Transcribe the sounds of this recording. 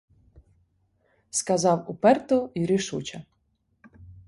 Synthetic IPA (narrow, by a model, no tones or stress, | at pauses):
skɐzɑwupɛrt̪ɔiɾɪʃut͡ʃɐ